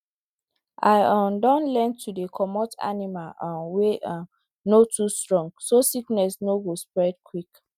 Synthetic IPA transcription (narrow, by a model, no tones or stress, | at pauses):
ʔa̰ɪɔ̃ndɔ̃nlɛ̃ntʰudekʰɔmɔtʰa̰nimalãnweʔã | notʰustɹɔ̃ŋɡsosiknɛsnoɡospɹɛd̚kʰwik